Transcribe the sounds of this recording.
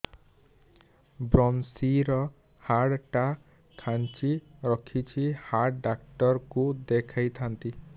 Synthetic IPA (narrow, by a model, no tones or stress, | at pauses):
bɾɔnsiɾɔ | haɽʈa | kʰant͡ʃʰiɾɔkʰit͡ʃʰihaɽɖak̚ʈɔɾkud̪ekʰajt̪ʰant̪i